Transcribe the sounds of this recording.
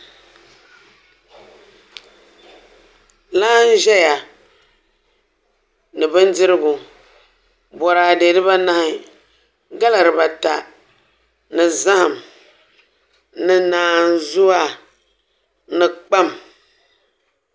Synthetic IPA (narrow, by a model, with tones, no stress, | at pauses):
laː˦n˦ʒɛ˦ja˨ | nɨ˨bɨ˦ndɪ˦ɾɨ˦ɡʊ˨ | bɔ˨ɾaː˨de˨dɨ˦ba˦na˦hɪ˨ | ɡa˦la˨ɾɨ˨ba˨ta˨ | nɨ˨za˦ha˨m | nɨ˨naː˨nzʊ˦a˦ | nɨ˨k͡pa˦˨m